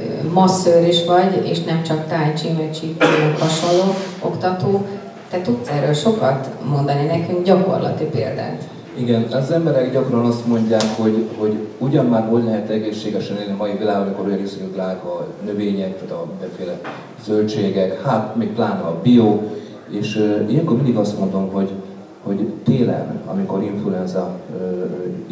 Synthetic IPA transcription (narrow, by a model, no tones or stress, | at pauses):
mɒsːøːɾiʃʋɒɟḛːʃnɛmt͡ʃɒkt̪aːɲt͡ʃimøt͡ʃithɒʃollːoːo̞kt̪ɒt̪oː | t̪ɛt̪ut̪sɛrøːlʃo̞kɒt̪mo̞nd̪ɒninɛkyŋɡɟɒko̞̰rlɒ̰t̪ipḛːld̪a̰ːt̪ | iɡɛnɒzɛmbɛɾɛɡɟɒkrɒnɒst̪mo̞ɲɟaːkho̞ɟho̞ɟuɟɒmmaːrɦo̞ɟlɛɦɛt̪ɛɡeːʃːeːɡɛʃɛnenimɒjivilaːɡɒmiko̞ɾojɒnesøɡyklaːɡɒnø̞veːɲɛk̚t̪aːt̪ɒmind̪ɛɱfeːlɛ | zølt͡ʃeːɡɛkhaːt̪meːk̚plaːnɒːbijoː | eːʃijɛŋkormind̪iɡɒst̪mo̞nd̪o̞mɦo̞ɟ | ho̞ɟt̪eːlɛ̰nɒ̰mikoɾiɱfluɛnzɒ